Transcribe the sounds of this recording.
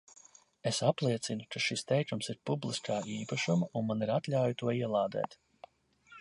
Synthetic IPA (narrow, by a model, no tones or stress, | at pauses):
esaplˠiɛt̪sinukaʃist̪ɛjkumsiɾpublˠiskʰaːʔiːpaʃumɐunmaniɾat̪lʲawjut̪uɔiɛlˠaːd̪ɛ̰ːt̪